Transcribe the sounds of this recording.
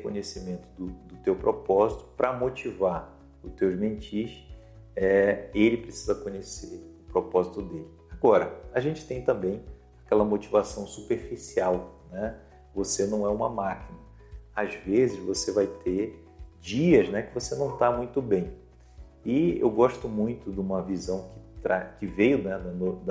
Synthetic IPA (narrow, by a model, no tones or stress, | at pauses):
kõɲesimẽnt̪ʊd̪ʊd̪ʊt̪ewpɾopɔzit̪ʊ̥pɾɐmot͡ʃiva | ʊt̪ewʒmẽnt͡ʃiʃ | ɛelɪpɾesi̥zɐkõɲeseʊpɾopɔzit̪ʊd̪elɪaɡɔɾɐ̰aʒẽnt͡ʃɪ̥t̪ẽj̃t̪ɐ̃mbẽj̃ | akɛlɐmot͡ʃivasɐ̃w̃supeɾfisiawnɛ | vosenɐ̃w̃ɛũmɐmakinɐ | azvezɪzvosevajt̪ʰe | d͡ʒiɐznɛkɪvosenɐ̃w̃t̪amũj̃t̪ʊbẽj̃ | ɪḛwɡɔʃt̪ʊmũj̃t̪ʊd̪ũmɐvizɐ̃w̃kɪ̥t̪ɾa̰kɪvejʊnɛd̪ɐnod̪